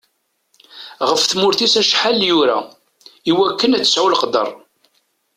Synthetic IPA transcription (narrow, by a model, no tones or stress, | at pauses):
ʁəfθmʊɾθisæʃħaljuɾa | iwækːənæt͡sːsawlqd̪ə̰rˤ